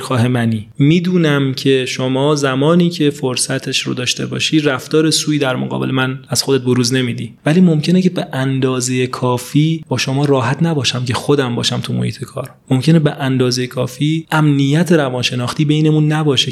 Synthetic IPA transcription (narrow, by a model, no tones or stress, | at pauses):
xɒːhemæniːmiːd̪uːnæmcʰe̞ʃomɒːzæmɒːniːcʰe̞foɾsæt̪ʰe̞ʃɾo̰d̪ɒːʃt̪e̞̰bɒ̰ːʃiːd̪ræft̪ɒːɾe̞suːiːd̪æɾmo̰ɡɒ̰ːbḛlemænæz̥xod̪et̪̚boɾuːzne̞miːd̪iːvæliːmo̞mcʰe̞nece̞beʔænd̪ɒːzejekʰɒːfiːbɒːʃo̞mɒːɾɒːɦæt̪ʰnæbɒːʃæmcʰe̞xod̪æmbɒːʃæmt̪ʰumo̰hiːt̪ʰe̞kʰɒːɾmomcʰe̞nebeʔænd̪ɒːzejekʰɒːfiːʔæmnijæt̪ʰe̞ɾævɒːnʃe̞nɒːxt̪iːbe̞jne̞munːæbɒːʃe